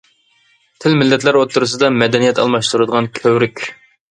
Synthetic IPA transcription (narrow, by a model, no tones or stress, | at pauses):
t̪ʰɪlmɪlːɛt̪læɾot̪ʰːuɾɨs̬ɨd̪ɑmɛd̪ɛnijɛt̪ʰɑ̰lˠmɑʃt̪uɾɨd̪əʁɑnkʲʰøwɾykʲ